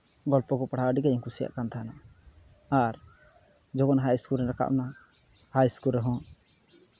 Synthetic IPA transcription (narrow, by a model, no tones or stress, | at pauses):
ɡɔlpɔkɔpaɽ̤aəɖikaɲɔŋkusija̰ʔkant̪ʰaɦana | aɾ | d͡ʒɔɡɔnɦajskuɾɛɾaka̰ʔna | haiskulɾɛɦɔ̃